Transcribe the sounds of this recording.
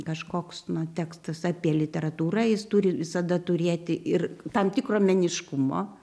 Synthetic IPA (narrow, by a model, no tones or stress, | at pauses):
kɐʃkoːksnʊt̪ʲæːkst̪ɐsɑːpʲiɛlʲɪt̪ʲɛɾɐt̪uːɾɐjɪst̪uːɾʲɪʋʲɪsɐd̪ɐt̪ʊɾʲeːt̪ʲɪʔɪrt̪ɐmt̪ʲɪkroːmʲɛnʲɪʃkʊmo̰ː